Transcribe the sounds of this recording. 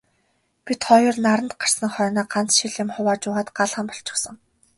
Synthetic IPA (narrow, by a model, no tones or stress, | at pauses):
pit̪χɔjʊ̆rnaɾə̆nt̪̚ɢar̥sə̆ŋχœːnaːɢant͡sʃiɮɪ̆mχʊwaːt͡ɕʊːʁaːt̪ɢaɮʁə̆mpɔ̥ɬt͡ɕɪ̆ksɞ̆ŋ